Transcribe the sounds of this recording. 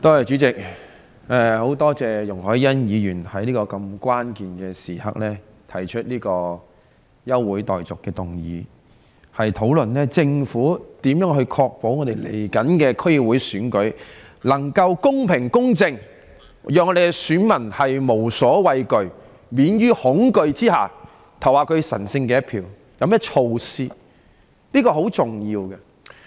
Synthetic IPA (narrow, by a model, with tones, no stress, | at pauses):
t̪oː˥hɐ˨jt͡ʃyː˨˥t͡sɪ˨k̚ | ɛː˨˧ho˨˥wt̪ɔː˥t͡sɛː˨jʊ˨˩ŋhɔː˨˥jjɐ˥njiː˨˧jyː˨˩nhɐ˨˥jniː˥kɔː˧kɐ˧mkʷwaː˥nkiː˨nkɛː˧siː˨˩hɐ̰˥k̚lɛː˥ | t̪ʰɐ˨˩jt͡ʃʰɵ˥t̚liː˥kɔː˧ | jɐ˥wwuː˨˥jt̪ɔː˨jt͡sʊ˨kːɛː˧t̪ʊ˨ŋjḭː˨˧ | hɐ˨jt̪ʰo˨˧˥wlɵ˨˩nlɛː˥t͡sɪ˧ŋfuː˨˥t̪iː˨˥mjœː˨˥ŋɦɵ˧ɥkʰɔː˧k̚po˨˥wŋɔː˨˧t̪e˨jlḛ˨˩jkɐ˨˥nkɛː˧kʰɵ˥ɥj̚wuː˨˥jsyː˨˥nkɵ˨˥ɥlɐ˨˩ŋkɐ˧wkʊ˥ŋpʰɪ˨˩ŋkʊ˥ŋt͡sɪ˧ŋ | jœː˨˧ŋɔ˧d̪e˨kɛ˧syː˨˥nmɐ˨˩nhɐ˨jmo˨˩wsɔː˨˥wɐ˨jkɵ˨˧ɥ | miː˨˥njyː˥hʊ˨˥ŋkɵ˨˧ɥt͡siː˥haː˨˩ | t̪ʰɐ˨˩waː˨kʰɵ˨˧ɥsɐ̰˨˩nsɪ˧ŋkɛː˧jɐ˥t̚pʰiː˨˧w | jɐ˨˧wmɛː˥t͡ʃʰo˨˧wsiː˧ | niː˥kɔː˧ɦo˨˥wt͡sʊ˨ŋjiː˧wkɛ˧